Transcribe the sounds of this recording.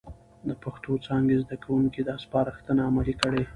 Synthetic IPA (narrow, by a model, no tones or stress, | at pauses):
d̪əpaxt̪ot͡sɑŋɡezd̪akawuŋkid̪əaspɑɾaxt̪ənaamalikəɽe